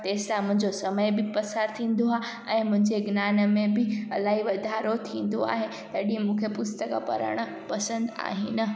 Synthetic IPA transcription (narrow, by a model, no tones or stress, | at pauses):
t̪eːsãmʊ̃ɦɪ̃ɲd͡ʑosɐməjbɪpɐsaːɾt̪ʰĩːn̆d̪oa | ɛ̃ːmʊ̃ɦɪ̃ɲd͡ʑeɡnaːnə̆mẽbɪɐlaːɦiʋɐd̪ʱaːɾot̪ʰĩːn̆d̪o̰a̰ːɦe | t̪ɐɗĩmũːkʰepʊst̪əkpɐ̰ɾə̰ɽ̃ə | pɐsə̃nd̪a̰ːɦinə̆